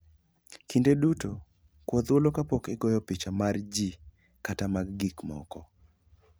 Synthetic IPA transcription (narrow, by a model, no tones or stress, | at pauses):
kindeduto | kwɔd̪wolokapɔkɪɡɔjɔpit͡ʃamard͡ʒi | katamaɡɡikmɔ̰kɔ